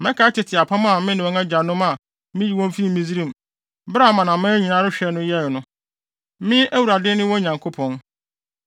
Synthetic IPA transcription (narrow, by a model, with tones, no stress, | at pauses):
mɛ̃˦kʰa˨˦tʰɪ˨tʰɪ˨a˨pʰã˦m˦a˨mɪ̃˦nɪ̃˨wɔ̃˦ŋɛ˦d͡ʑa˨nʊ̃˦mã˨ | mɪ̃˦ji˨wɔ̃˦m˦fi˦mĩ˦zi˦ɾĩ˦m˨ | bɾa˦˨mã˨nã˨mɪ̃˦ɲi˨nã˦ɾɪ˦ɕᶣɛ˨˦nʊ̃˦jɛ˦˨nʊ̃˦ | mɪ̃˦ʔæ˦wu˨ɾa˨dɪ˦nɪ̃˦wɔ̃˦ɲã˨ŋkʰo˦pʰɔ̃˨n